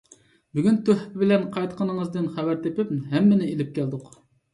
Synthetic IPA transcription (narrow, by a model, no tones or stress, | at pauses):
byɡʲynt̪ʰøhpɪbɪlɛnqʰɑjt̪qʰənəŋəzd̪ɨnχævæɾt̪ʰepɪp̚ɦɛmːɪnɪelɪp̚kʲʰæld̪ʊq